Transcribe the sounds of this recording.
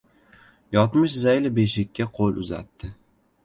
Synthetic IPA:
jɒt̪mɪʃzajlɪbeʃɪkʲːaqʰolˠʔʊ̰za̰t̪ːɪ

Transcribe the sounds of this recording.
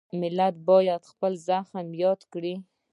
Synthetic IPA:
mɪlat̪̚bɑjad̪xpəlzaxmjɑd̪kɽi

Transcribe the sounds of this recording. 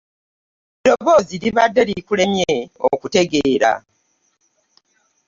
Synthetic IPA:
do̞βo̞ːziliβadːe̞likule̞mjeo̰kute̞ɡeːɾa̰

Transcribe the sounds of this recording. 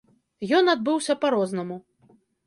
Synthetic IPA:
jɔnad̪̚bɨwsʲɐpaɾɔznɐmu

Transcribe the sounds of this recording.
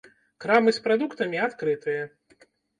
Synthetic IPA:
kɾamɨspɾad̪ukt̪ɐmʲiat̪kɾɨt̪ɨjɐ

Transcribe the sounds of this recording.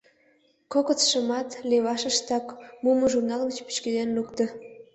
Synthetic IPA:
kokət͡sʃəmɑt̪leβɑʃəʃt̪ɑkmuməʒurnɑlɣət͡ɕpy̥t͡ɕkezenlukt̪ə̆

